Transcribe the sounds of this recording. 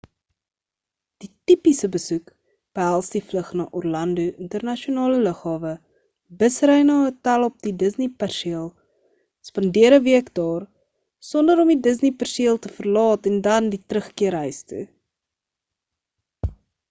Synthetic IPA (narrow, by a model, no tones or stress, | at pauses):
d̥itipisəbəsuk | b̥əɦælˠsdifləχnɑ̰ːʔɔrlɐnduʔəntərnɐʃiunɑːlələχɦɑːvə | bəsrəjnɑːətælˠɔp̚didəsnipærʃiəlˠ | spɐndiəɾəviəkdɑːr | sɔndəɾɔmidəz̬nipærʃəlˠtəfərlɑːtɛndɐnditrəχkiəɾɦəjstṵ